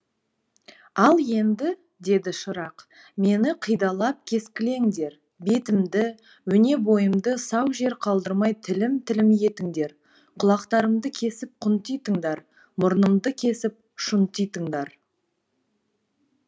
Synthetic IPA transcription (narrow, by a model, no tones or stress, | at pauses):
ɑlˠje̞nd̪ɪ | d̪e̞d̪ɪʃəɾɑq | me̞nɪqʰəjd̪ɑlˠɑp̚kʲʰe̞skʲɪle̞ŋd̪e̞ɾ | be̞t̪ɪmd̪ɪ | wɵne̞bo̞jəmd̪əsɑwʒe̞ɾqʰɑlˠd̪əɾmɑjt̪ʰɪlɪmt̪ʰɪlɪmje̞t̪ɪŋd̪e̞ɾ | qʰʊlˠɑqt̪ɑɾəmd̪əkʲʰe̞sɪp̚qʰʊnt̪ijt̪əŋd̪ɑɾ | mʊɾnəmd̪əkʲʰe̞sɪp̚ | ʃʊnt̪ijt̪əŋd̪ɑɾ